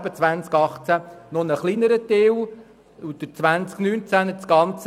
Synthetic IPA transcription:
b̥ət͡sʋænt͡skɑχt͡sænonəχlinəɾət̪ɪw | ud̪ət͡sʋænt͡sknyːnt͡sænət͡sɡɑnt͡s

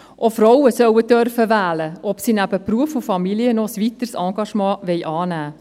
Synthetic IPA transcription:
ʔofɾɔwəsœwədœrfəʋæːləʔɔpsinæb̥əpruəfufɑmiliənɔsʋit̪əɾsɑːɡɑʃmɑ̃ːʋɛɪʔɑːnæː

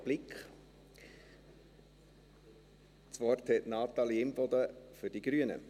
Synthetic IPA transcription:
b̥lɪkχ | t͡svɔrthɛtnɑːt̪ɑliɪmbɔd̪əfʏɾd̥iɡɾyənə̰

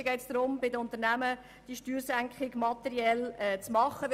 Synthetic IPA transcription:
əɡɛɪt̪sd̥̪ɾʊmbɪdəʊnt̪əɾnæmə | d̥iʃtyːɾsæŋkχɪɡmɑt̪ɛɾiɛlɛt͡smɑχːəʋ

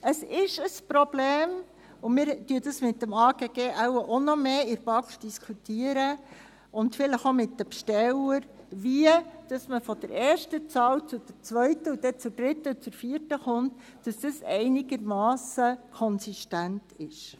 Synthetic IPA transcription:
əsɪʃəspɾɔb̥leːm | ʊmɪɾtyədəsmɪtːəmɑːɡeːɡ̥eːʔawəʔonɔmeːɪɾvɑkd̥iskʰutiəɾə | ʔʊntfɪləχomɪtːəpʃtɛləɾ | viəd̥ɑsməfɔd̥əɾʔɛːɾʃtət͡sɑːwt͡sʊdəɾt͡sʋœɥtəʊd̥ɛt͡sʊd̥ɾɪtːəut͡suɾfiəɾtəχʊnt | d̥ɑsd̥əsɛ̰ɪnɪɡ̥əɾmɑːsəkʰɔnsiʃtæntʰɪʃ

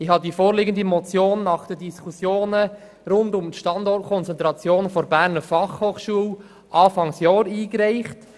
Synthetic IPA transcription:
ɪhɑdifoːɾlɪɡəndəmɔt͡sjoːnːɑχd̥ədiskʰusjoːnə | ɾʊndʊmtʃtɑndɔrt̚kʰɔnt͡sɛntɾɑt͡sjoːnfɔɾbæːɾnəɾfɑχhoːχʃuəl | ʔɑːfɑŋsjɔːɾiːkɾɛɪχt

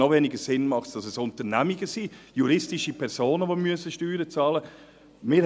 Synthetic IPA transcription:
ɔvɛnɪɡəsɪnmɑχtd̥ɑsɛsʊntəɾnæmiɡəsiːjuɾɪstiʃipʰɛɾsoːnəʋomyəsəʃtyːɾət͡sɑːlə | mɪːɾ

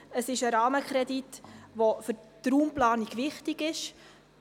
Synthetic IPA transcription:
əsɪʃəɾɑːməkʰɾɛditʋofʏɾtɾuːmplɑːniɡʋɪχtiɡɪʃ

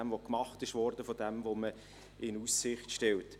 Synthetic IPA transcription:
ɛmʋokmɑχtɪʃʋɔːɾdəfodɛmvomə | ɪnusːɪχtʃtɛlt

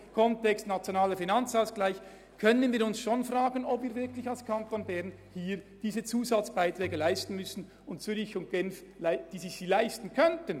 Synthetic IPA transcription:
kʰɔntɛkstnat͡sjonaːləfinant͡saʊsɡ̥laɪç | kʰœnənviːɾʊnsʃoːnfʁaːɡənɔpviːɾvɪɐkʰlɪçalskʰantonbɛʁn | hiːɾd̥iːzət͡suːzat͡sb̥aɪtrɛːɡəlaɪstn̩mʏsn̩ | ʊntt͡syɾʁɪçʊnt̚ɡ̥ɛnflaɪd̥iːzɪçsiːlaɪstn̩kʰœntən

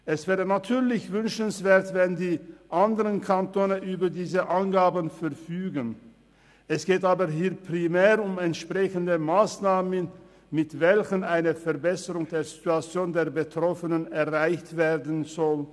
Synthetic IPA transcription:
ʔɛsv̥ɛːʁənatʰyːɐlɪçvʏnʃənsv̥eːɐtvɛndiːʔandəʁənkʰantʰoːnəʔyːbɐdiːzəʔanɡaːbənfɛɐfyːɡən | ʔɛsɡ̥eːtaːbəɦiːɐpʁ̥imɛːʁʊmɛntʃpʁ̥ɛçəndəmaːsnaːmən | mɪtvɛlçənʔaɪnəfɛɐbɛsəʁʊŋdeːɐzituat͡sjoːndeːɐbətʁ̥ɔfənənɛɐʁaɪçtv̥eːɐdn̩zɔl

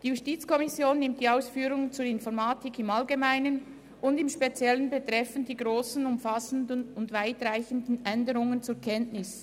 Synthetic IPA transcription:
d̥iːjustiːt͡skʰɔmɪsjoːnːɪmt̚d̥iːaʊsfyːɾʊŋənt͡suːɐɪnfɔʁmaːtɪkɪmalɡemaɪnən | ʊndɪmʃpet͡sjɛlənbet̪ʁ̥ɛfəndiːɡʁoːsn̩ʊmfasən̩dənʊndvaɪtʁaɪçəndn̩ɛndəʁʊŋənt͡suːkʰɛntnɪs

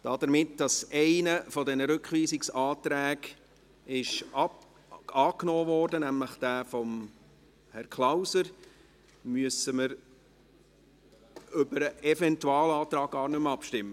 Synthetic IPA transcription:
d̥ɑd̥əɾmɪtd̥ɑsɛɪnəfɔdɛnəɾʏkχʋiːsɪksɑːtɾæːɡ | ɪʃɑ | ɑːknɔːvɔːɾdənæmləχd̥æːfɔm | hɛɾkʰlawsəɾ | myəsəməɾ | ʏbəɾəʔɛfɛntuɑːlɑːt̪ɾɑːɡ̚ɡ̥ɑːɾnʏmɑpʃtɪmːə

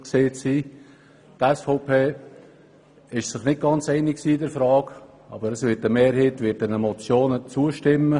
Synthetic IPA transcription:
kseːt͡siː | tɛsfoʊpʰeː | ɪʃsɪχnɪt̚ɡ̥ɑnt͡sɛɪnɪksiːdəɾfɾɑːk | ɑ̰ːbəɾəsvɪːtəmeːɾɦeːtvɪt̚dɛnəmɔt͡sjoːnət͡suəʃtɪmːə

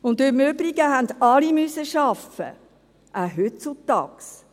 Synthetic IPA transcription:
ʊndømøbɾiɡəɦænd̪ɑlimysəʃɑfə̰ | ʔæɦøtt͡sut̪ɑ̰ːks

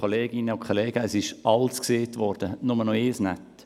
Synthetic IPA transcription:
oleːɡɪnəʊkʰɔleːɡəːsɪʃɑlskseːtvɔɾd̥ənʊmənɔɪːsnɛ̰t

